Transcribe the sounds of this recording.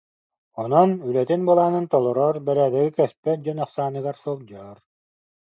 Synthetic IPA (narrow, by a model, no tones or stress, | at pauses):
ɔnɔnylɛt̪inbulˠaːnɯnt̪ɔlˠɔɾɔɾbɛɾæːd̪ɛɡikɛspɛt̪̚d͡ʑɔnɑχsaːnɯɡaɾsul̚d͡ʑaɾ